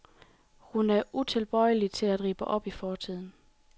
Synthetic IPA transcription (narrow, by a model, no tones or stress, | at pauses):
hunæɐʔut͡sʰe̝lb̥ɒ̽ɪəlit͡sʰe̝læd̥ʁḭːb̥əʔɒ̽b̥ifɒːt͡sʰið̞̰ˠn̩